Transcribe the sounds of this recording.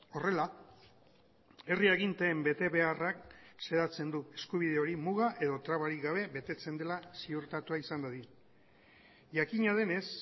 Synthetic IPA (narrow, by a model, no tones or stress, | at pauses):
o̞re̞la | e̞rieɣ̞int̪e̞ːmbe̞t̪e̞βe̞arakse̞ðat͡se̞nd̪ue̞skuβ̞ið̞e̞o̞ɾimuɣaʔe̞ðo̞t̪ɾaβaɾiɣaβ̞e̞βe̞t̪e̞t͡se̞nd̪e̞lasiuɾt̪at̪uaisand̪aði | ʝakiɲað̞e̞ne̞s